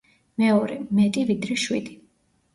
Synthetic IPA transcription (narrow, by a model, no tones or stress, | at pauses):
mɛɔɾɛmɛt̪ʼivid̪ɾɛʃwḭd̪i